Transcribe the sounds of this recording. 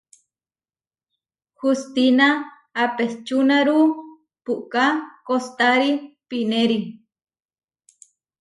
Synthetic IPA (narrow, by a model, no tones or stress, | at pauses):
hust̪inaː | pest͡ʃunaɾu | puʔkakost̪aɾipineɾi